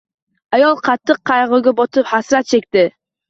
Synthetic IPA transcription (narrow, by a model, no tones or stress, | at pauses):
ajɒlˠqʰɑt̪ʰːɨqːɑjʁʊɡʲabɒt̪ʰɪphasɾat̪̚t͡ʃʰe̞kʲt̪ɪ